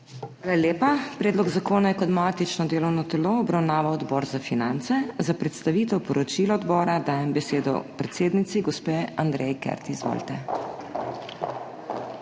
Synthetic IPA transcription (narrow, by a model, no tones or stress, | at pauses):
xʋaːlaleːpapɾeːd̪lɔɡzakoːnajɛkɔt̪mat̪it͡ʃnɔd̪eːlɔwnɔt̪ɛloɔbɾawnaːʋawɔd̪bɔːɾzafinant̪sɛzapɾɛt̪st̪aʋiːt̪ɛwpɔɾɔt͡ʃilɔɔd̪bɔːɾad̪aːjɛmbɛseːd̪ɔ̰pɾɛt̪seːd̪nit̪siɡɔspeːand̪ɾɛjkɛ̰ɾt̪iizʋo̰lt̪ɛ